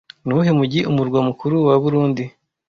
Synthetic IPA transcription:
nuɦemuɟiʔumuɾɡwamukuɾuwaβuɾuːndi

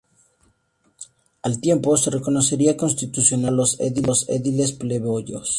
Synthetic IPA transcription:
alt̪je̞mpo̞sereko̞no̞se̞ɾiako̞nst̪it̪usjo̞nalo̞sḛðilosḛðile̞spleβoʝo̰s

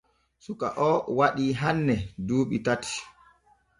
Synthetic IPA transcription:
suka̰ʔɔwaɗiːɦanːɛduːɓitati̥

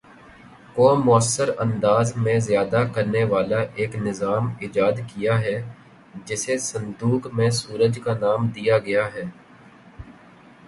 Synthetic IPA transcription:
koːmʊəsːəɾɐ̃nd̪aːzmẽzjaːd̪akɐɾneʋaːlaʔeːknɪzaːmɪd͡ʒaːd̪kijaɦɛ | d͡ʒɪsesɐ̃nd̪uːkmẽsuːɾəd͡ʒkanaːmd̪ijaɡɐjaɦɛː

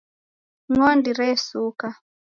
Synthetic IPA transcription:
ŋɔndiɾɛsuka

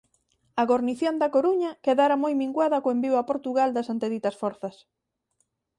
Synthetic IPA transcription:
ɐɣoɾniθjond̪ɐkoɾuɲɐkeðaɾamojmiŋɡwaðɐkoembiwapoɾt̪uɣald̪ɐsant̪eðit̪ɐsfɔɾθɐs

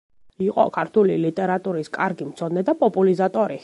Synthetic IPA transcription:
iqʼɔ̰kʰaɾt̪ʰulilit̪ʼɛɾat̪ʼuɾiskʼaɾɡimt̪sʰɔd̪nɛd̪apʼɔpʼulizat̪ʼɔɾi

